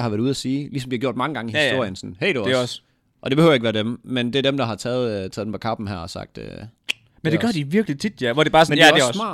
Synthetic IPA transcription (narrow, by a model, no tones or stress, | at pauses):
hɑʋæɐuð̞̩ˠæsiːlisɒmd̥ihɑɡ̥jo̝ɐ̰d̥mɑ̈ŋəɡ̥ɑ̈ŋəihisdo̝ɐ̰jənsɔnheɪ̰ɾuɒs | ʔɒ̽d̥eb̥ehøːʊjeɡʋæːɐd̥emmend̥e̝æɐd̥emd̥ɑ̈ɦɑ̈t͡sʰɛːð̩ˠʰɛðˠdempʰɒ̥kʰɑ̈b̥n̩ɦæɐ̰ɒsɑ̈ɡ̥̚d̥ø | mmend̥eɡɶɐd̥iʋiɐɡ̥lit͡sʰid̥jæʋɒd̥ebɑ̈ːsmneɒemɑ̰̈